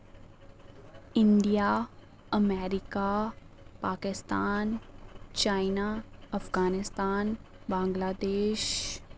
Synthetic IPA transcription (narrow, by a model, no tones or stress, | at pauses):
ɪnɖija | ɐmɛːɾɪkapaːkɪst̪aːnt͡ʃaːɪnaɐfɡaːnɪst̪aːn | bãːŋɡlaːd̪eːʃ